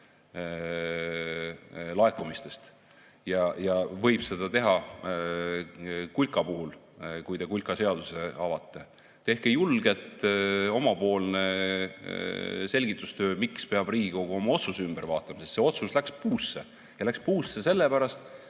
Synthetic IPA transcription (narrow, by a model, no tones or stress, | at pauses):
lɑe̞kːˑumist̪e̞st̪ | jɑjɑvɤjb̥se̞d̪ɑt̪e̞ɦɑ | kulʲkɑpuɦul | kujd̪e̞kulʲkɑse̞ɑd̪̥use̞ɑvɑt̪ˑːe̞ | t̪e̞hkejulɡ̥e̞lt̪o̞mɑpo̞ːlne̞ | se̞lʲɡit̪ːˑust̪øːmikspe̞ɑb̥riːɡiko̞ɡ̥uo̞mɑo̞t̪susymb̥eɾvɑːt̪ːˑɑmɑsest̪se̞o̞t̪suslækspuːsːe | jɑlækspuːsese̞lːepæɾɑst̪